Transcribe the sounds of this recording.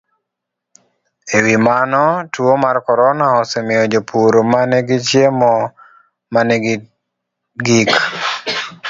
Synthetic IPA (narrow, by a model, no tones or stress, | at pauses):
ewimanɔtuomarkɔɾɔnaɔsɛmɪjɔd͡ʒopʰuɾomanɛɡɪt͡ʃjemɔ | manɛɡ | ɡik